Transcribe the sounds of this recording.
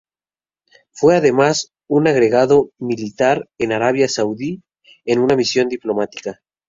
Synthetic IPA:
fwe̞aðe̞mas | unaɣɾe̞ɣaðo̞milit̪aɾe̞naɾaβ̞jasawði | enunamisjo̞nd̪iplo̞mat̪i̥ka

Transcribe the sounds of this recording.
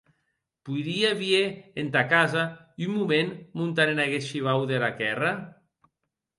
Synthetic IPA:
pujɾiaβieent̪akazaymmumenmunt̪aɾenaɣeʃiβ̞awðelakɛra

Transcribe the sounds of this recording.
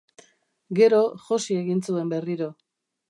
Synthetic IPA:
ɡe̞ɾo̞ʝosie̞ɣint͡sue̞mbe̞riɾo̞

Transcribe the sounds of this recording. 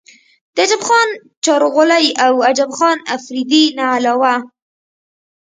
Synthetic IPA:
d̪̥əad͡ʒabxɑn | t͡ʃɑɾoɣʊlajawad͡ʒabxɑnafɾid̪inaːlawa

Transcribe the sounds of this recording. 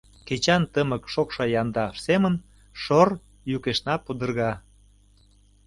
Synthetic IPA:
ket͡ɕɑnt̪əməkʃokʃɑjɑnd̪ɑʃsemən | ʃor | jukeʃnɑpud̪ə̆rɣɑ

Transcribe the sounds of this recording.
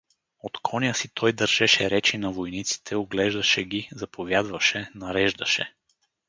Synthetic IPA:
ot̪kʰɔnʲijəsit̪ʰɔjd̪ɐɾʒ̥ɛʃɛɾɛt͡ʃinɐvojnit̪si̥t̪ʰɛoɡlɛʒd̪ɐʃɛɡʲizɐpʰovʲjad̪vɐʃɛnɐɾɛʒd̪ɐʃɛ̰

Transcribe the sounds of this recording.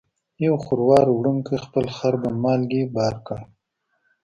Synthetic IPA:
jawxʊɾwɑɾwɽəŋkəxpəlxaɾbamɑːlɡebɑɾka

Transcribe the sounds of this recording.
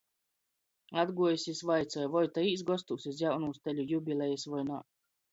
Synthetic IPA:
ad̪ɡuɔjsʲisvajt̪sɔjvɔjt̪aiːs̬ɡɔst̪uːsʲis̬jawnuːst̪ɛlʲujubʲilʲˠɛjɛsvɔjna̰ː

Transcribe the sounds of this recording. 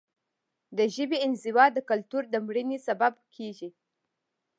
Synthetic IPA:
d̪əʒəbiɪnzɪwɑd̪əkalt̪uɾd̪əmɽənisababkʰeʒi

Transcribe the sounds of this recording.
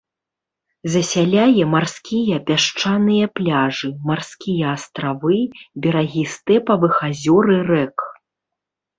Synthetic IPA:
zɐsʲalʲajɛmarskʲijɐpʲaʂt͡ʂanɨjɐplʲaʐɨmarskʲijɐːst̪ɾavɨbʲɛɾaɣʲist̪ɛpɐvɨxazʲɔɾɨrɛk

